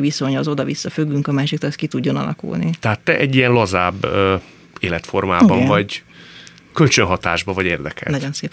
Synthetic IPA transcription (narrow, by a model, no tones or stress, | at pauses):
ʋiso̞ɲɒzo̞d̪ɒvisːɒfyɡːyŋkɒmaːʃikt̪oɛskit̪uɟːo̞nɒ̰lʔɒ̰kṵlnit̪ɛɦaːt̪ːɛʔɛɟːijɛnlɒzaːb | eːlɛt̪fo̞rmaːbɒɱvɒɟ | kølt͡ʃønɦɒt̪aːʒbɒvɒɟeːrd̪ɛkɛ̰nɒɟo̞nseːp